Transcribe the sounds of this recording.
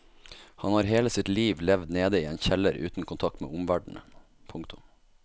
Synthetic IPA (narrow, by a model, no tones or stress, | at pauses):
hɑnhɑːɾɦeːləsɪt̪liːʋlɛʋd̪neːd̪əiːeːnçɛləɾʉ̰ːt̪n̩kʊnt̪ʰɑk̚t̪mḛːʔʊmʋæɖɳ̩ə | pʰʊŋkt̪ʊ